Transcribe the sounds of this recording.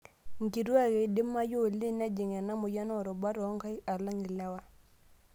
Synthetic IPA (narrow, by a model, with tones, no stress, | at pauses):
ŋ˨ki˨ɾwa˦˨ɣe˨dɪ˦ma˦jo˦˨lɪ˦˨na˦d͡ʒɪ˨ŋɛ˨na˦mʊ˨ja˦nɔ˦˨ɾɔ˨ba˦ɾɔ˨˦ŋka˦ja˨la˦ŋɪ˨la˦wa˦